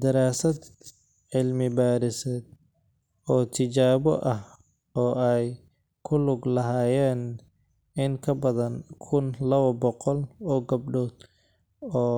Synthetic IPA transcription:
d̪ɐɾaːsɐd̪ | ʕɪlmɪbaːɾɪsɛːd̪̚ | ɔːt̪ʰɪt͡ʃaːβɔʔɐh | ɔːɛj | kʰʊlʊɡlɐɦaːjɛːn | ɪŋkʰɐbɐðɐnkʰʊnlɐβɐbɔqɔlɔːɡɐb̚ɖɔːd̪ | ɔː

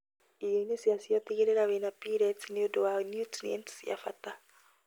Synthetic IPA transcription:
ijeinesiasiat̪iɣeɾeɾawenapiɾɛtneodowanjutliɛ̰ntsia̰fata

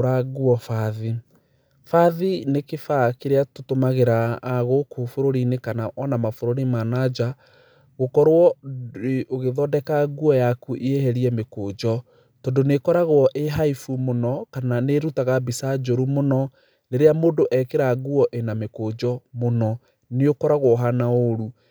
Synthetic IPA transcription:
ɾaɣuɔfaði | faðinekefakeɾeatotomaɣeɾaːɣokofoɾoɾinekanaʔɔnamafoɾoɾimanad͡ʒa | ɣokɔɾwɔ | oɣeðɔdɛkaɣuɔjakuʔieɦɛɾiɛmekoːd͡ʒɔ | tɔndonekɔɾaɣwɔʔeɦaifumonɔkananeɾutaɣabisad͡ʒoɾumonɔ | neɾeamoːndoʔɛkeɾaɣuɔʔenamekod͡ʒɔmonɔ | neokɔɾaɣwɔɦanaoɾu

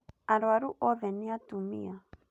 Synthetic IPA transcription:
aɾwaɾuʔoðeniat̪umḭa

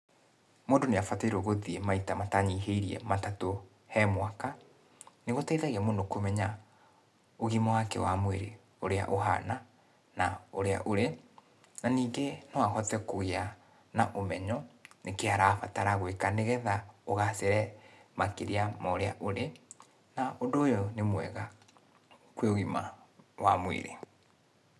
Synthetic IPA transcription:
moːndoneafataiɾoɣoðiemaitamataɲiːɦeiɾiɛ̰matato | hɛmwaka | neɣotaiðaɣeamoːndokomɛɲa | oɣimawakɛ̰wamweɾe | oɾea̰ʔoɦa̰na | naoɾea̰ʔoɾe | naniːŋɡenɔwahɔtɛkoɣea | naʔomɛɲɔnekeaɾafataɾaɣwekaneɣɛðaoɣaseɾɛmakeɾiamaoɾea̰ʔoɾe | naondoːjonemwɛ̰ɣa | kweoɣima̰wa̰mwḛɾḛ

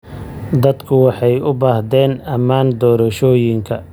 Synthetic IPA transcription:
d̪ɐd̪kʰʊwɑħɑjʊbaːhd̪ɛːnɐmaːnd̪ɔːɾɐʃɔːjɪŋkʰɐ

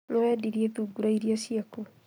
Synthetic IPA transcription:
nɔɛdiɾieðuɡuɾaiɾiasiako

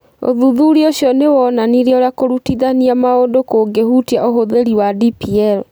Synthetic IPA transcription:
o̰ðuðuɾioɕjɔnewɔːnaniɾioɾeakoɾutiðaniamaodokoːɡehutiaʔohoðeɾiwadipiɛɾɔ

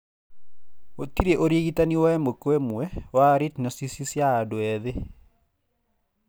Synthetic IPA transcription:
otiɾeʔoɾieɣitaniwaɛmokwɛmwɛwaɾitnɔsisisjaːdoɛðe

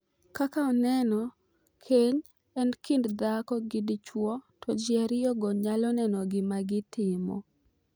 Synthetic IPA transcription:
kakaɔnɛnɔ | kʰeɲ | ɛnkɪndd̪akɔɡɪdɪt͡ʃwɔtɔd͡ʒɪɛɾjɔɡɔɲalɔnɛnɔɡɪmaɡɪtɪmɔ̰

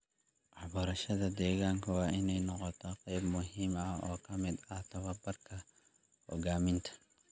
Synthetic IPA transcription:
aħbɐɾɐʃɐðɐd̪eːɣaŋkɐwaːʔɪnɛjnɔqɔt̪ʰɔqʼɛjbmʊɦɪmɐɔːkʰɐmɪd̪ɐt̪ɐβɐbɐrkʰɐ | ʔɔɡaːmɪnt̪ʰɐ̥

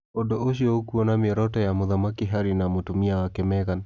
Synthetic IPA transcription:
odooʃiookuɔnamɛɾɔtɔjamoðamakeɦaɾinamotumiawakɛmɛɣan

